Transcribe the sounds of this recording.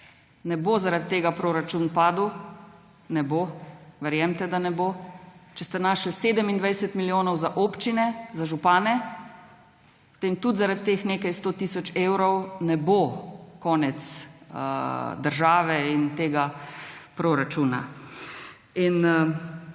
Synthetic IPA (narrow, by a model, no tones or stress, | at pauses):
nɛbozaɾad̪t̪eːɡapɾoːɾat͡ʃunpaːd̪w | nɛboːʋɛɾjɛmt̪ɛd̪anɛbot͡ʃɛst̪ɛnaːʃliseːd̪əmind̪ʋɛjsɛt̪miljoːnɔwzaʔoːpt͡ʃinɛzaʒupaːnɛ | pt̪emt̪ud̪zaɾad̪t̪eːxneːkajst̪oːt̪iːsɔt͡ʃeːwɾɔwnɛbokɔːnɛt̪s | d̪əɾʒaːʋɛint̪eːɡapɾoɾat͡ʃuːna̰ | inə